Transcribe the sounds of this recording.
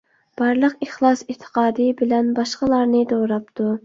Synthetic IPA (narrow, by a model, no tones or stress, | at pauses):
b̥ɑɾlˠəqeχlˠɑsɪt̪ʰə̥qɑːd̪ɨbɪlɛnbɑʃqɑlˠɑɾnɨd̪oɾɑpt̪ʰu